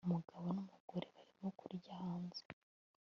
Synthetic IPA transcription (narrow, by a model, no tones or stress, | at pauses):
umuɡaβo̞numuɡ̥oɾeβaɾimo̞kuɾjahaːnze